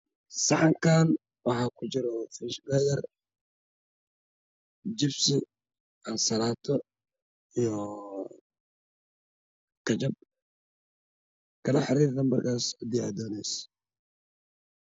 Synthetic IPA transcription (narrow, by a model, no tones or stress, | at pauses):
sɑʕɑŋkʰaːn | wɑħaːkʰʊt͡ʃɪɾɔfɪʃɡɐjɐr | d͡ʒɪbsɪ | ʔɐnsɐlaːt̪ʰɔ | ijɔ | kʰɐt͡ʃɐb̚ | kʰɐlɐħɪɾiːɾd̪ɐmbɐrkʰaːshɐd̪ia̰ːd̪ɔːnɛjs